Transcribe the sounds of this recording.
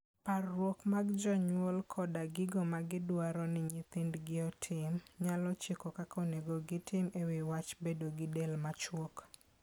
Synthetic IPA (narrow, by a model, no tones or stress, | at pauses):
parwokmaɡd͡ʒɔɲwolkʰɔdaɡɪɡomaɡɪdwaɾɔnɪɲɪt̪ɪndɡɪɔtʰɪmɲalɔt͡ʃekɔkakʰɔneɡoɡɪtʰɪmewɪwat͡ʃbedoɡɪdelmat͡ʃwok